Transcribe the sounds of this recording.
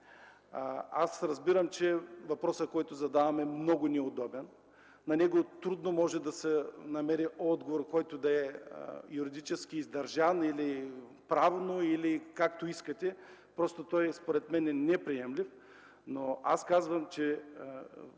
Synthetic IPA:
asɾɐzbiɾəmt͡ʃɛvɐpɾɔsəkɔjt̪ʊzɐd̪avɐmɛmnɔɡʊnɛod̪ɔbɛnː | ɐnɛɡot̪ɾud̪nomɔʒɛd̪ɐsɛnɐmɛɾiʔɔd̪ɡovoɾkɔjt̪od̪ɐɛ̰juɾid̪it͡ʃɛskiːzd̪ɐɾʒanili | pɾavnoilikakt̪oiskɐt̪ʲɛ | pɾɔst̪ot̪ɔjspoɾɛt̪mɛnɛnɛpɾiɛmlif | noaskazvɐmt͡ʃɛ

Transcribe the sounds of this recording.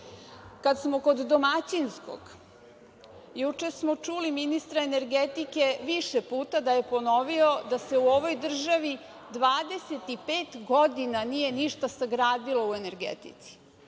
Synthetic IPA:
kad̪smo̞ko̞d̪ːomat͡ɕinsko̰ɡ̥ | jut͡ʃesmo̞t͡ʂuliminist̪ɾaene̞ɾɡet̪ike̞ʋiʃepuːt̪ad̪aje̞po̞no̞ʋio̞d̪ase̞uo̞ʋo̞jd̪r̩ʒaʋi | d̪ʋaːd̪e̞se̞t̪ipeːt̪ɡo̞d̪inanije̞niʃt̪asaɡɾaːd̪ilo̞ue̞ne̞ɾɡḛt̪ḭt̪si̥

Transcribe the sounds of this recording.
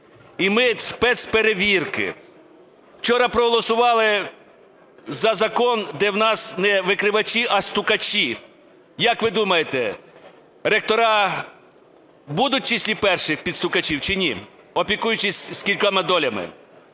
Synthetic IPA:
imɪspɛt̪speɾeʋʲirkɪ̰ | wt͡ʃɔɾɐpɾɔɦɔlˠɔsʊʋɑlˠɪ | zɐzɐkɔnd̪ɛwnɑsnɛʋɪkɾɪʋɐt͡ʃʲiʔɐst̪ʊkɐt͡ʃʲi | jɐkʋɪd̪umɐjet̪ɛ | ɾek̚t̪ɔɾɑ | bud̪ʊt̚ʲt͡ʃisʲlʲipɛrʃɪxpʲid̪st̪ʊkɐt͡ʃʲiwt͡ʃɪnʲḭ | ɔpʲikujʊt͡ʃɪsʲskʲilʲkɐmɪd̪ɔlʲɐmɪ̰

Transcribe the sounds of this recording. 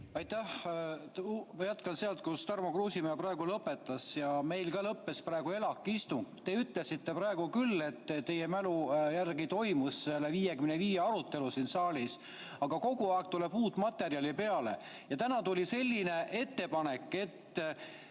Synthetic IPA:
ɑjt̪ːæh̪ | mɑjæt̪kɑnseɑlt̪̚kust̪ɑrmokruːsimejɑpɾrɑe̞ɡulɤpːe̞t̪ːˑɑsjɑme̞jlkɑlɤpːe̞sprɑeɡ̥ue̞lɑkːˑist̪uŋɡt̪e̞yt̪ˑlesit̪ːe̞prɑe̞ɡ̥ukylːe̞t̪ːt̪e̞jemælujærɡit̪o̞jmusːelːeviːjekymneviːjeɑɾut̪ːe̞lusiːnsɑːlʲis | ɑɡ̥ɑko̞ɡuɑek̚t̪ule̞b̥uːt̪ːmɑt̪ːˑe̞ɾjɑlʲipe̞ɑle̞̰ | jɑt̪ænɑt̪ulʲise̞lʲːine̞ʔe̞t̪ːe̞pɑne̞kːˑe̞t̪ː

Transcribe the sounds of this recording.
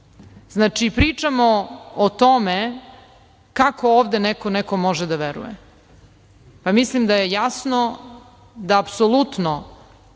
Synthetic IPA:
znaːt͡ʂipɾit͡ʂamoot̪ome | kakʰooːʋd̪enɛkonɛko̞moʒed̪aʋeɾṵjḛ | pamislimd̪ajejasno | d̪aːpsolˠut̪no

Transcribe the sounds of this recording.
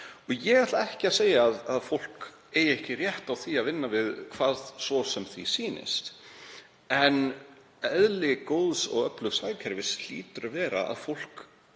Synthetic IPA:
ɔjɛɣaht̪laɛhcɪaðseːjaðaðfowl̥k | eːjɛhcɪrjɛht̪awθiaðvɪnːavɪðkʰvaːð̥svɔsɛmθisiːnɪ̰st̪ | ɛn | ɛðlɪkoːwðsɔ̰ɣœplʏfsaːjcʰɛɾvɪslḭːt̪ʏɾavɛːɾa̰a̰ðfowl̥k

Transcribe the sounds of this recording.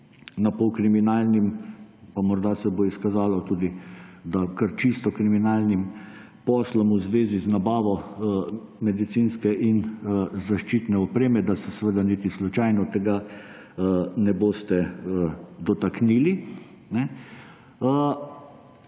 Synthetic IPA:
napɔkɾiminaːlnimpamɔɾd̪asɛboiskazaːlɔt̪uːd̪id̪akɐɾt͡ʃist̪ɔkɾiminaːlnim | pɔːslɔmuzʋeːziznabaːʋɔ | mɛd̪it̪sinskɛʔinzaʃt͡ʃiːt̪nɛɔpɾeːmɛd̪asɛsɛʋəd̪anit̪islut͡ʃajnɔt̪ɛɡa | nɛboːst̪ɛəd̪ɔt̪akniːli | nɛ | ə

